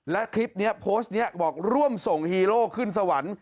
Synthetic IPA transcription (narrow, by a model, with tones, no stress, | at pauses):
lɛ˦˥kʰɾi˦˥p̚ni˦˥ɐpʰoː˦˥st̪̚ni˦˥ɐbɔː˨˩k̚ɾu˥˩əmso˨˩ŋhiː˧loː˥˩kʰɯ˥˩nsa˧wa˩˦n